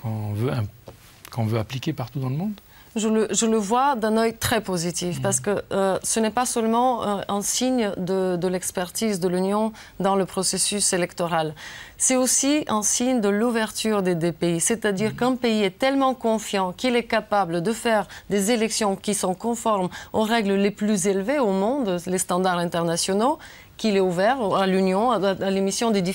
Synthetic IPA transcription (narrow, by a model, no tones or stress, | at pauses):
kɔ̃vøɛ̃ | kɔ̃vøaplikʲepaʁt̪ud̪ɑ̃ləmɔ̃d̪ | ʒələʒələvwad̪ɛ̃nœjt̪χɛpozit̪ifpaʁsə̥kəøsənɛpasœlmɑ̃ɛ̃siɲd̪əd̪əlɛkspɛʁt̪izd̪əlynjɔ̃ | d̪ɑ̃ləpχɔsesyselɛkt̪ɔʁalsɛt̪osiɛ̃siɲd̪əluvɛʁt̪yʁd̪ed̪epeisɛt̪ad̪iʁkɛ̃peiɛt̪ɛlmɑ̃kɔ̃fjɑ̃kilɛkapabləd̪əfɛʁd̪ezelɛksjɔ̃kʲisɔ̃kɔ̃fɔʁmoʁɛɡləleplyzelveomɔ̃d̪lest̪ɑ̃d̪aʁɛ̃nt̪ɛʁnasjɔno | kilɛuvɛʁalynjɔ̃alemisjɔ̃d̪ed̪i